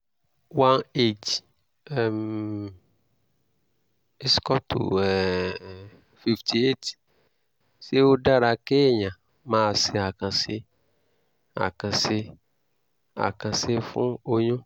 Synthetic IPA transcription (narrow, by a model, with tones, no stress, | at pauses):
wa˦ne˦d͡ʒ | ɛ˨m | e˦skɔ˦tʰṵ˨ɛ˨ | fi˦ftʰi˨e˦t | se˦wo˦ɖa˦ɾa˨ke˦ɲã˨ | mã˦˨sɪ˨a˨kã˨sɪ˦ | a̰˨kã˨se˦ | a̰˨kã˨se˦fʊ̰̃˦o˦ɲʊ̃˦